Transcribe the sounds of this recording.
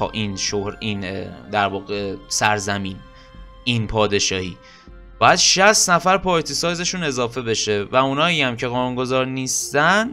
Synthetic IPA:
ɒ̰ːʔiːnʃohɾiːnd̪æɾvɒːɣe̞sæɾzæmiːn | inpʰɒːd̪e̞ʃɒːhḭː | b̥ɒːjæd̪ʃæst̪næfæɾpʰɒːɾt̪ʰisɒjze̞ʃune̞zɒːfe̞be̞ʃe̞væunɒːiæmcʰe̞ɣɒːnuːnɡo̞zɒːɾniːst̪æn

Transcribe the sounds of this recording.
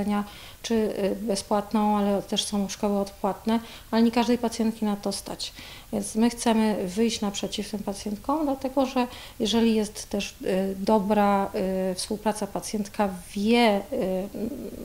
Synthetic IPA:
ɛɲa | t͡ʂɘbɛspwat̪nɔ̃w̃alɛt̪ɛʂsɔ̃w̃ʂkɔwɘɔt̪pwat̪nɛ | alɛɲɛkaʐd̪ɛjpat̪sʲjɛnt̪kʲimat̪ɔst̪a̰t͡ɕ | vʲjɛnt̪smɘxt̪sɛmɘvɘjɕt͡ɕnapʂɛt͡ɕift̪ɘmpat̪sʲjɛnt̪kɔ̃w̃d̪lat̪ɛɡɔʐɛ | jɛʐɛlʲijɛst̪ːɛʐd̪ɔbɾafspuwpɾat̪sapat̪sjɛnt̪kavʲjɛ

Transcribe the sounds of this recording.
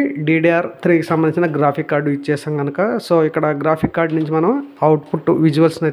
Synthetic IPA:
ɖiːɖiaːɾt̪ʰɾiːkisɐmbɐnit͡ʃinɐɡɾaːpʰikːaːɾɖuit͡ʃːɛːʃaːmɡɐnukɐsoːikːɐɽɐɡɾaːpʰikːaːɾɖnuɲt͡ʃimɐnɐmɐwʈpʰuʈːʋid͡ʒuʋɐlsnɐ

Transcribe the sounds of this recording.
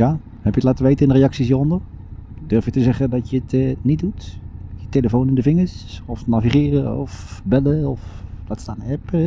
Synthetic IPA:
ja | hɛpjətlaːtəʋejtəɪnərejɑksis̬jəɔndər | d̥ørfjətəzɛχədɔtjəətnit̚dutjəteləfownɪndəvɪŋəɹsɔfnaviχɪːrəɔ̰fbɛləɔfdatstaːnɛp

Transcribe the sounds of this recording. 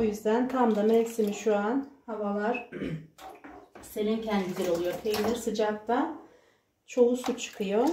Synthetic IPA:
ujyzd̪ænt̪ʰamd̪amesimiʃuanhavalˠaɾ̥ | se̞lʲincʰɛnd̪ilʲeɾolˠujo̞p̪ʰejilʲiɾsɯd͡ʒak̚t̪a | t͡ʃʰo̞lˠusut͡ʃʰːɯ̥kʰɯjo

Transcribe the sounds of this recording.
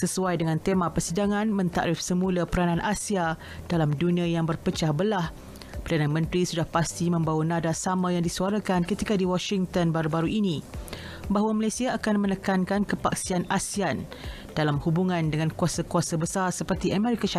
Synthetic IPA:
səsuajdəŋãnt̪emãpərsidaŋãnmə̃nt̪a̰ʔɾifsəmũlapəɾanãnʔasia | d̥alamduniajaŋbərpət͡ʃahbəlah | pərdanamə̃nt̪ɾisudahpast̪imə̃mbawanãdasamãjaŋdisuaɾakankət̪ikadiwɔʃiŋt̪ənbaɾubaɾuʔini | baɦwaməlasiaːkanmənəkankankəpaksianasian | dalamhubuŋãndəŋãnkuasakuasabəsarsəpərt̪iʔamɛɾikaʃa

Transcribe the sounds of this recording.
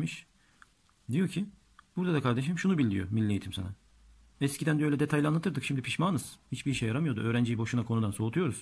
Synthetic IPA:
miʃ | d̪ijo̞cʰi | buɾd̪ad̪akʰaɾd̪eʃ̬imʃunubilʲːḭjo̰milʲːijet̪ʰimsa̰na | ɛscʰid̪ænd̪ɛølʲɛd̪e̞t̪ʰajlʲanˠat̪ɯɾd̪ɯkʃimd̪ipʰiʃmaːnɯz̥hit͡ʃbiʃejːaɾamɯjo̞d̪uøːɾænd͡ʒijibo̞ʃunakʰo̞nud̪anso̞ːt̪ʰujo̞ɾuz̥

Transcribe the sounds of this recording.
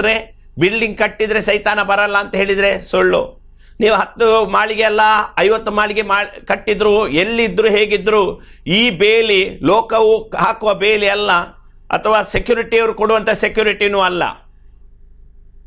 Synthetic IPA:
ɾe̞ | bilɖiŋɡ̚kɐʈːid̪ɾe̞sɐjt̪aːnɐbɐɾɐlːɐːnt̪ɐɦe̞ːɭid̪ɐɾe̞soɭːṵ | niːʋuɦɐt̪ːumaːɭiɡeɐlːɐɐjʋɐt̪ːumaːɭiɡe̞maːkɐʈːid̪ɾuːelːid̪ːɾuːɦe̞ːɡid̪ːɾuːiːbeːlilɔːkɐʋuɦaːkuʋɐbeːliɐlːɐ | ɐ̰t̪ʰɐʋaːsekjuːɾiʈiɐʋɾukoɽuʋɐnt̪ɐsekjuːɾiʈinuːɐlːɐ̰

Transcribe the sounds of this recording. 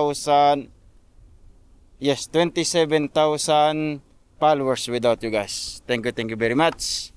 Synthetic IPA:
wsan | jɛst̪wɛ̃nt̪isɛvɛ̃nt̪awsan | palowɛɹswɪd̪awt̪̚juɡajst̪ɛ̃ŋkjut̪ɛ̃ŋkjuvɛɹimat͡ʃ

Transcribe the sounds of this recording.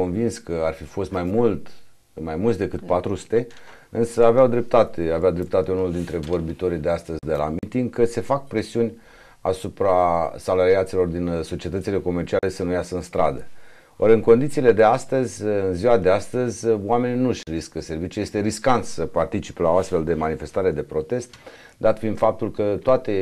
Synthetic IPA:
o̞nvinskəarfifo̞st̪majmult̪ | majmult̪sd̪e̞kɨt̪̚pat̪ɾusu̥t̪e̞ | ɨnsəaveawd̪ɾe̞p̚t̪at̪eaveawd̪ɾe̞p̚t̪at̪e̞unuld̪int̪ɾe̞vo̞rbit̪o̞ɾid̪e̞ast̪əzʲd̪e̞la̰mit̪iŋɡkəse̞fak̚pɾe̞siunʲ | a̰supɾasalaɾiat̪silo̞rd̪inso̞t͡ʃie̞t̪ət̪ile̞ko̞me̞rt͡ʃiale̞sənujasəɨnst̪ɾa̰d̪ə | oɾʲɨŋko̞nd̪it̪siːle̞d̪e̞ast̪əzʲɨnziwad̪e̞ast̪əzʲwame̞nʲnuʃʲriskəse̞rvit͡ʃuje̞st̪e̞ɾiskant̪sʲsəpart̪it͡ʃi̥pelaoast̪fe̞ld̪e̞manife̞st̪aɾe̞d̪e̞pɾo̞t̪e̞st̪ | d̪at̪find̪fap̚t̪ulkət̪oat̪e̞

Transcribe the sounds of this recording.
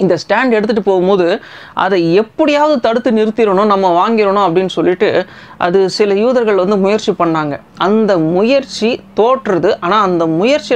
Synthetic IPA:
ɪnd̪ɐsʈaːɳɖɛɽɯt̪ːɯʈːɯpoːɣɯmboːðɯ | ʔɐ̰ðɐɛpːɐɽɪjaːʋɐðɯt̪ɐɽɯt̪ːɯnɪɾɯt̪ːɪɾɐɳʊ̃nɐmːɐʋaːŋɡɪɾɐɳʊ̃ɐpːɐɽɪnːɯsɔlːɪʈːɯ | ʔɐ̰ðɯsɪlɐjuːðɐɾɣɐɭʋɐnd̪ɯmʊjɐɾt͡ʃipɐɳːaːŋɡɐ | ʔɐnd̪ɐmʊjɐɾt͡ʃit̪oːʈːrɐðɯʔaːnaːɐnd̪ɐmʊjɐɾt͡ʃːɪ

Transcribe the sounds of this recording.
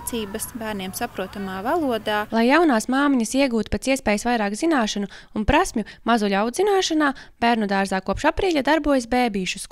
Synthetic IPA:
t̪siːbɐsbæːɾniɛmsapɾuɔt̪amaːvalˠuɔd̪aːlˠajːawnaːsmaːmiɲɐsiɛɡuːt̪pet̪siɛspɛːjsvajɾaːkzinaːʃanuunpɾasʲmʲjumazulʲawd̪zinaːʃanaːb̥ʲæːɾnud̪aːɾzaːkuɔpʃapɾiːʎʲad̪aɾbuɔjɐs̬beːbiːʃus

